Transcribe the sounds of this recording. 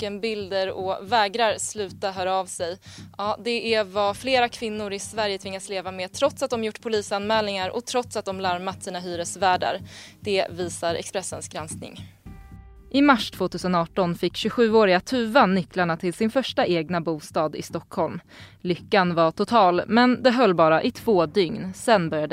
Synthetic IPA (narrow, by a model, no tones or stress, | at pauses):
ənbɪld̪əɾɔ̰vɛːɡɾaɾslʉ̟ːt̪aɦœːɾaɑːvsɛjɑːd̪ɛʔɛvafleːɾakʰvɪnːʊɾɪsvæɾjət̪ʰvɪŋːasleːvameːt̪ʰɾɔt̪sat̪̚d̪ɔmjʊʈːpʰʊliːsanmɛːlnɪŋaɾɔ̰t̪ʰɾɔt̪sat̪̚d̪ɔmlaɾmat̪siːnaɦyːɾəsvæːɖa̰ɾd̪̥ɛviːsaɾʔɛ̰kspɾɛsːənsɡɾɛnsknɪ̰ŋ | ʔɪmaʂt̪ʰv̥oːt̪ʰʉ̟ːsənɑːʈɔnfɪkːɕɵɧʉ̟ːoːɾɪɡat̪ʰʉ̟ːvanʏklaɳat̪ʰɪlsɪnfœʂʈaʔeːɡnabuːst̪ɑːd̪ɪ̰st̪ɔkʰːhɔlm | lʏkːanvaʈʊt̪ʰɑːlmɛnd̪ɛɦœlːbɑːɾaʔɪt̪ʰv̥oːd̪ʏŋnsɛnbœɾjad̪